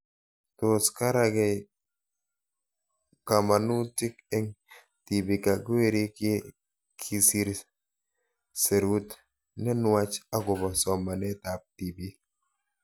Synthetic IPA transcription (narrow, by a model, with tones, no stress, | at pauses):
to˨ska˦ɾa˦ɡɛ˨ | ka˨ma˨nu˦ti˦kɛ˦ŋ | ti˨bi˨ka˨ɡwe˦ɾi˦ke˦ | kʰi˨si˦ɾ | se˨ɾu˦t | nɛ˦nwa˦t͡ʃa˦ɡʊ˨bɔ˨sɔ˨ma˨nɛ˦ta˨p̚ti˨bi˦